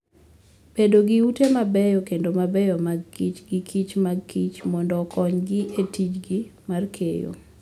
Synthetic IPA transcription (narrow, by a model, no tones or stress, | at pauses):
pedoɡiutemabɛjɔkendomabɛjɔmaɡkit͡ʃɡikʰit͡ʃmaɡkit͡ʃmɔndɔkɔɲɡɪʔetit͡ʃɡimarkʰḛjo̰